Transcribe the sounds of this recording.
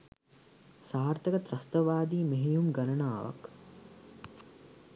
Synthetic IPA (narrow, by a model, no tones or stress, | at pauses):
saːrt̪əkət̪ɾɐst̪əʋaːd̪iːmeɦejumɡalɐnaːʋa̰k